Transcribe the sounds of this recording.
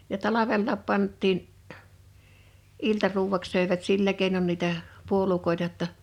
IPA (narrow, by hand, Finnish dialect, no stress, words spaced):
jɑ tɑlɑʋelːɑːp pɑntˑiːn ʔiltɑruːwˑɑks søˑeʋæt silːæ keˑinon niˑtæ puolukoˑetɑ tːɑ